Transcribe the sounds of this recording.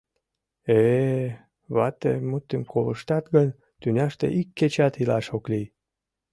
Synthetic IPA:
e | βɑt̪ḛjmut̪ːemkʰoləʃt̪ɑt̪ɡənʲ | t̪ynʲɑʃt̪ḛʔikːet͡ɕɑt̪ilɑʃoklij

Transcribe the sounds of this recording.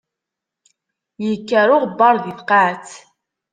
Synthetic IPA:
jəkːæɾʊʁbːɑɾˤðiθqat͡s

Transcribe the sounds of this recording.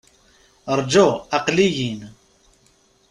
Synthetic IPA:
ɾˤd͡ʒoɑqlijin

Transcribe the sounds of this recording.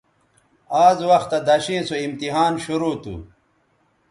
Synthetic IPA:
aːzwɐxt̪ɐd̪ɐɕĩːsoimt̪iɦaːnɕuɾuːt̪ṵ

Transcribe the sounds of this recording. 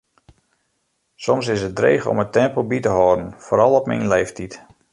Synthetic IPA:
sɔmsɪsət̚dreːxɔ̰mətɛmpəbitəɦɔːdən̩foːɾɑlˠɔpmḭnlejftʰit

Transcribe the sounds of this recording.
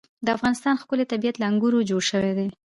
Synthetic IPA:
d̪əafɣɑnɪst̪ɑnxkʊlet̪abijat̪laaŋɡuɾod͡ʒoɽʃəwed̪e

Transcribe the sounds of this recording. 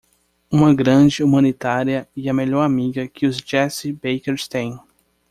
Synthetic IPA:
ũmɐɡɾɐ̃d͡ʒɪumɐ̃nit̪aɾiɐɪɐmeʎɔɾamiɡɐkʰɪʊzd͡ʒɛsibejkeɾst̪ẽj̃

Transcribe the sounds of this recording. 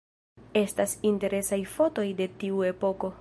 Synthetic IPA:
e̞stasinte̞ɾe̞sajfo̞to̞jde̞tiue̞po̞ko̞

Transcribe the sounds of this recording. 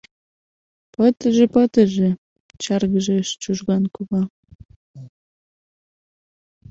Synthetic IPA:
pət̪əʒĕpət̪ə̆ʒĕ | t͡ɕɑrɣəʒeʃt͡ɕuʒɣɑnkuβɑ

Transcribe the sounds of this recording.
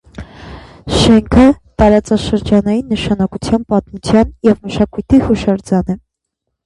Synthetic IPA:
ʃɛŋkʰə | t̪ɑɾɑt͡sɑʃəɾd͡ʒɑnɑjinːəʃɑnɑkut͡sʰjɑnpɑt̪mut͡sʰjɑnjɛvməʃɑkujt̪ʰihuʃɑɾd͡zɑnɛ

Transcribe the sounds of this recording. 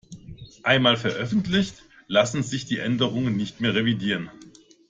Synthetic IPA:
ʔaɪnmaːlfɛɐʔœfn̩tlɪçt | lasn̩zɪçd̥iːʔɛndəʁ̞ʊŋənːɪçtmeːɐʁevidiːʁ̞ən

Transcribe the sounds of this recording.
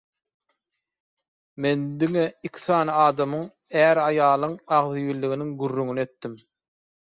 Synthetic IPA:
me̞nd̪iŋeikʲʰi̥θɑːnɯɑːd̪ɑmɯŋ | æːɾɑjɑːlˠɯŋɑʁðɯjilːiɣiniŋɡyrːyŋyne̞t̪ːim

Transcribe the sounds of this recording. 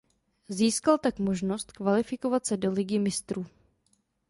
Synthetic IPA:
ziːskalt̪akmo̞ʒno̞st̪kvalɪfɪko̞vat̪sɛdo̞lɪɡɪmɪst̪ɾuː

